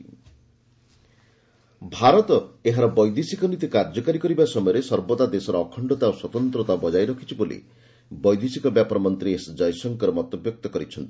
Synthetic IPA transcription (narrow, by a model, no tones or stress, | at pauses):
bʱaɾɔt̪ɔeɦaɾɔbɔjd̪isikɔnit̪ikaɾd͡ʒɔkaɾikɔɾibasɔmɔjɔɾesɔɾbod̪ad̪esɔɾɔːkʰɔɳɖɔt̪aoswɔt̪ɔnt̪ɾɔt̪abɔd͡ʒajɾɔkʰit͡ʃʰibolḭ | bɔjd̪isikɔbjapɔɾɔmɔnt̪ɾiesd͡ʒɔjsɔŋkɔɾɔmɔt̪ɔbjɔk̚t̪ɔkɔɾit͡ʃʰɔnt̪i̥